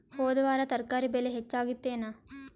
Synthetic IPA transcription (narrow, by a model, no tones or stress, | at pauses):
hoːd̪ɐʋaːɾɐt̪ɐɾkaːɾibeleɦet͡ʃːaːɡit̪ːeːna